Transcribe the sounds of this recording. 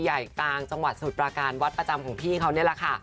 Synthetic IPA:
ja˨˩jklaː˧ŋt͡ɕa˧ŋwa˨˩t̪̚su˨˩pɾaː˧kaː˧nwa˦˥t̪̚pɾa˧t͡ɕa˧mkʰɔː˩˦ŋpʰiː˥˩kʰa˦˥wni˥˩ɐla˨˩kʰa˥˩

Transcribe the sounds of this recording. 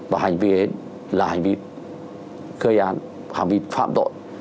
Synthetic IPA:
vaː˨˩ɦa˨˩jŋ̟vi˧˩e˨˦ | laː˨˩ha˨˩ŋ̟vi˧ | xəː˧jʔaː˨˦n | ha̰˨˩ŋ̟vi˧fa̰ː˧˨mt̪o̰˧˨j

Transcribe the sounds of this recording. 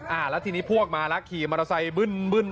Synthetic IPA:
ʔaː˧˩lɛː˦˥t̪ʰiː˧niː˦˥pʰu˥˩ək̚maː˧lɛ˦˥kʰiː˨˩ma˧a˧sa˧jbɯ˥˩nbɯ˥˩n

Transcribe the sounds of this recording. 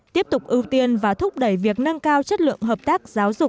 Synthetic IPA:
t̪i˦˥əp̚t̪ʊ˨˩k͡p̚ʔɨ˧wt̪i˧ənvaː˨˩t̪ʰʊ˦˥p̚ɗə˧˩jvi˨˩ək̚nə˧ŋkaː˧wt͡ɕə˦˥t̚lɨ̰˧˨əŋɦəː˨˩p̚t̪aː˦˥k̚z̥aː˨˦wzʊ˨˩k͡p̚

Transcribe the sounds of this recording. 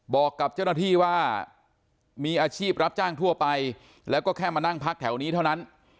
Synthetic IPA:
bɔː˨˩kːa˨˩p̚t͡ɕa˥˩wna˥t̪ʰiː˥˩waː˥˩ | miː˧ʔaː˧t͡ɕʰiː˥˩p̚ɾa˦˥p̚t͡ɕaː˥˩ŋt̪ʰu˥˩ɐpa˧j | lɛː˦˥wkɔː˥˩kʰɛː˥˩maː˧na˥˩ŋpʰa˦˥k̚t̪ʰɛ˩˦wniː˦˥t̪ʰa˥˩wna˦˥n

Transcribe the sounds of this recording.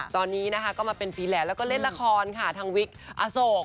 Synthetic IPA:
t̪ɔː˧nːiː˦˥na˦˥kʰa˦˥kɔː˥˩maː˧pe˧npʰiː˧lɛː˨˩lɛː˦˥wkɔː˥˩le˥˩n̚la˦˥kʰɔː˧nkʰa˥˩t̪ʰaː˧ŋwi˦˥k̚ʔa̰ː˧so˨˩

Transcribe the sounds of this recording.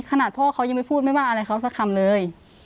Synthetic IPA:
kʰa˧naː˨˩t̪ʰɔː˧˩˨kʰa˧wja˧ŋma˧˩jpʰuː˥˩t̪̚ma˥˨waː˧˩ʔa˧ɾa˧jkʰa˧˥˩wsa˧˥kʰa˧˨mlɤː˧j

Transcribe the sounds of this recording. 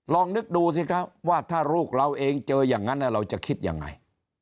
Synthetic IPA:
lɔː˧ŋnɯ˦˥k̚duː˧s̬i˧˩kʰa˦˥p̚waː˥˩t̪ʰaː˥˩ɾuː˥˩k̚ɾa˧wʔeː˧ŋt͡ɕɤː˧jaː˨˩ŋːa˦˥nːa˦˧˥ɾa˧wt͡ɕa˨˩kʰi˦˥t̪̚ja̰ː˨˩ŋːa̰˧j

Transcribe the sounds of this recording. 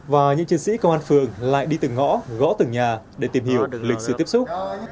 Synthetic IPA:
vaː˨˩ɲɨ̰˧˥ŋt͡ɕɨ˧ŋsḭ˧˥kə˧wʔaː˧nfɨ˨˩əŋla̰ː˧˨jɗi˧t̪ɨ˨˩ŋɔ̰˧˥ɣɔ̰˧˥t̪ɨ˨˩ŋɲaː˨˩ɗe˧˩t̪i˨˩mhi˧˩əwlï˨˩k̟̚sɨ̰˧˨t̪i˦˥əp̚sʊ˦˥k͡p̚

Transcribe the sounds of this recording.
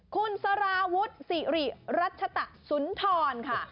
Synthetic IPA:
kʰu˧nsa˧ɾaː˧wu˦˥t̪̚siː˨˩ɾi˨˩ɾa˦˥t̪̚t͡ɕʰa˧t̪a˨˩ʔsu˩˦nt̪ʰɔː˧nkʰa˥˩

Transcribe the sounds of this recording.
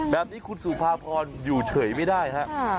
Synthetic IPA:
bɛː˨˩p̚niː˦˥kʰu˧nsuː˨˩pʰaː˧pʰɔː˧njuː˨˩t͡ɕʰɤː˩˦jma˥˩jdaː˥˩jɦʰa˦˥ʔ

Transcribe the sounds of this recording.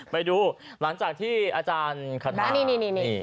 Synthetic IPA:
pa˧jduː˧la˩˦ŋt͡ɕaː˨˩k̚t̪ʰiː˥˩ʔaː˧t͡ɕaː˧nkʰa˧˩t̪a˧ni˥˧˩ni˥˧˨ni˧˩ni˧˩

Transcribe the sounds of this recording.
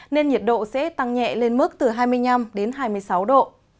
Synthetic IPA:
ne˧nɲi˨˩ət̚ɗo̰˧˨sɛ̰˧˥t̪a˧ŋɲɛ̰˧˨le˧nmɨ˦˥k̚t̪ɨ˨˩ɦaː˧jmɨ˧əjna˧mɗe˨˦nɦaː˧jmɨ˧əjsa˨˦wɗo̰˧˨

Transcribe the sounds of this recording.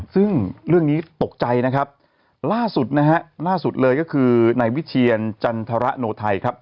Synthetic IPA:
sɯ˥˩ŋɾɯ˥˩əŋniː˦˥t̪o˨˩k̚t͡ɕa˧jna˦˥kʰa˦˥p̚ | laː˥˩su˨˩t̪̚na˦˥ɦa˦˥ʔlaː˥˩su˨˩t̪̚lɤː˧jkɔ˥˩kʰɯː˧na˧jwi˦˥t͡ɕʰi˧ənt͡ɕa˧nt̪ʰa˧ɾa˦˥ʔnoː˧t̪ʰa˧jkʰa˦˥p̚

